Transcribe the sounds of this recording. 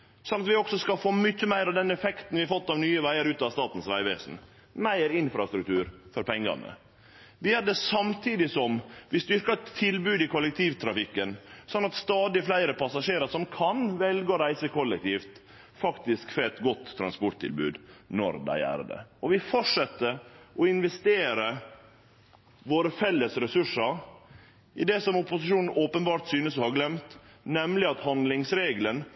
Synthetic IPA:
sɔnːɑt̪ʋɪɔksɔskɑfoːmʏçːəmæɪɾɑʋd̪ɛnɛfɛkt̪n̩ʋɪhɑɾfɔt̪ːɑʋnyːəʋæɪəɾʉːt̪ɑʋst̪ɑːt̪n̩sʋæɪʋeːsn̩ | mæɪɾɪnfɾɑst̪ɾʉk̚t̪ʰʉːɾfɔɾpʰɛŋːɑ̰nə̰ | ʋɪæɖɛsɑmt̪ʰiːd̪ɪsɔmʋɪst̪ʏɾkɑt̪ʰːɪlbʉːd̪ɪkʰʊlɛk̚t̪ʰiːʋt̪ʰɾɑfɪkːənsɔnːɑt̪st̪ɑːd̪ɪflæɪɾəpʰɑsɑʂeːɾəsɔmkʰɑnʋɛlɡɔɾæɪsəkʰɔlːɛk̚t̪ʰiːft̪ | fɑkt̪ɪskfɾɔɛt̪ɡɔt̪ʰːɾɑ̰nspɔʈt̪ʰɪ̰lbʉ̰ːd̪nɔ̰ɾd̪æ̰ɪæ̰ːɾd̪ɛ̰ɔʋɪfɔʈʂɛt̪ːəɔɪnʋɛst̪eːɾə | ʋoːɾəfɛlːəsɾɛsʉʂəɾ | ʔɪd̪ɛsɔmʊpʊsɪʂuːnn̩oːpənbɑːɾt̪syːnəsɔhɑɾɡlɛmt̪nɛmlɪɑt̪hɑnd̪lɪŋsɾeːɡlən

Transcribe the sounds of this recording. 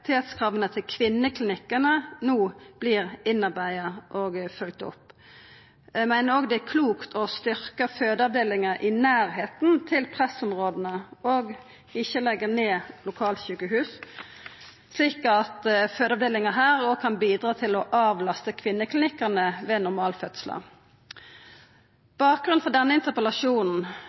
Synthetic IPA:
t̪ʰeːt̪skʰɾɑːʋənət̪ʰɪlkʰʋɪnːəkʰlɪnɪkːənənuːb̥lɪɾɪnːɑʁbæɪɑʔɔɡfʉlkt̪ʊ̰pː | ɛmæɪnəɾoːɡd̪ɛækʰluːkt̪ʰɔst̪ʏʁkəføːd̪əɑʋd̪eːlɪŋəʔɪnæːɾɦeːt̪nt̪ʰɪlpʰʁɛsɔmʁoːd̪ənəɔɡ | ɪçːəlɛɡːəʁneːlʊkʰɑːlt̪çʉːkəhʉːs | sliːkɑt̪føːd̪əɑʋd̪eːlɪŋəɦæːʁɔɡkʰɑnbiːd̪ʁɑːt̪ʰɪlɔʔɑːʋlɑst̪əkʰʋɪnːəkʰlɪnɪkːənəʋeːnʊɾmɑːlfœt̪slə̰ | b̥ɑːk̚ɡʁʉnfɔd̪ɛnːəɪnt̪əʁpəlɑʂuːnn̩

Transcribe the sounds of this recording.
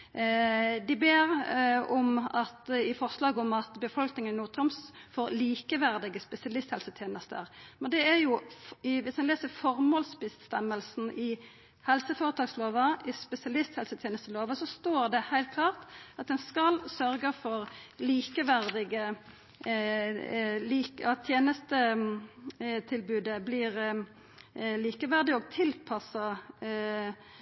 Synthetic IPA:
d̪ɪbeːɾɔmɑt̪ɪfɔʁslɑːɡəɔmɑt̪bəfɔlknɪŋənːuːt̪ʰɾɔmsfoːɾliːkəʋæɾd̪ɪɡəspɛsɪɑlɪst̪hɛlsət̪ʰjeːnəst̪ə̰ɾmɛnd̪ɛæɾjʊʋɪsmɛnleːsəɾfɔɾmoːlsbəst̪ɛmːəlsn̩ʔɪ | hɛlsəfoːɾət̪ɑːksloːʋəʔɪspɛsɪɑlɪst̪hɛlsət̪ʰjeːnəst̪əloːʋəsɔst̪oːɾd̪ɛhæɪlt̪kʰlɑːʁt̪ɑt̪̚d̪ɛnskɑlsœɾɡəfɔɾliːkəʋæɾd̪ɪɡə | liːkɑjeːnəst̪ə | t̪ʰɪlbʉːd̪əblɪːʁ | liːkəʋæʁd̪ɪɔɡ̚t̪ʰɪlpʰɑsə

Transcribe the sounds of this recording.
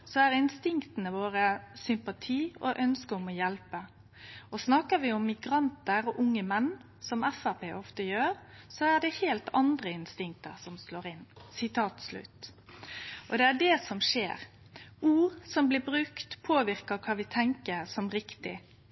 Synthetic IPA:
sɔæɾɪnst̪ɪŋkt̪ənəʋoːɾəsʏmpɑt̪ʰiːɔʔœnskəɔmɔjɛlpə | ɔsnɑkəʋɪʊmːɪɡɾɑnt̪əɾɔʔʊŋːəmɛnː | sɔmɛfæpʰeːʔɔft̪əjøːɾsɔæd̪ɛheːlt̪ʰɑnd̪ɾəɪnst̪ɪŋk̚t̪ə̰ɾsɔmsloːɾɪnːsɪt̪ʰɑːt̪slʉ̰t̪ | ʔɔd̪ɛæɖɛsɔmʂḛːɾ | uːɾsɔmblɪːbɾʉkt̪pʰoːʋɪɾkɑkʰɑːʋɪt̪ʰɛŋkəɾsɔmɾɪkt̪ɪ̰

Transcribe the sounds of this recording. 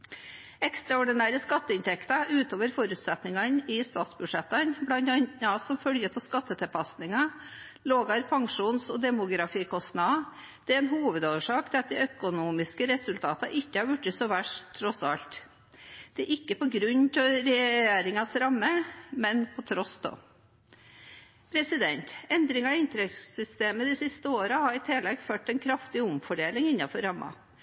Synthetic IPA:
ɛkst̪ɾɑɔɖɪnæːɾəskɑt̪ːəɪnt̪ʰɛkt̪ɑʉːt̪oːʋəɾfɔɾʉːt̪sɛt̪nɪŋɑnɪst̪ɑːt̪sbʉʂɛt̪ːɑnblɑnɑnɑsɔmfœljəpʰɔskɑt̪ːət̪ʰɛlpʰɑsnɪŋɑ | loːɡɑɾpʰɑŋʂuːnsɔd̪ɛmʊɡɾɑfiːkʰɔsnɑ | d̪̥ɛɛɛnɦuːʋəd̪oːʋəʂɑːkt̪ʰɛɑt̪̚d̪ɛœkʊnuːmɪskəɾɛsʉlt̪ʰɑːt̪ɑ̰ʔɪkːəhɑɾʋʉʈːɪsɔʋæʂt̪ʰːɾɔsɑlt̪ | d̪̥ɛæɾʔɪkːəpɔɡɾʉnt̪ɔɾɛjeːɾɪŋɑsɾɑmːəmɛnpʰɔt̪ʰɾɔsd̪o̰ː | pʰɾɛsɪd̪ɛnt̪ɛnd̪ɾɪŋɑɪnt̪ɾɛssʏst̪eːməd̪ɪsɪst̪əoːɾəhɑɾɪt̪ʰɪlɛɡføːʈːɛnkʰɾɑft̪ɪʊmfɔɖeːlɪŋɪnːɑfɔɾɑmːɑ̰

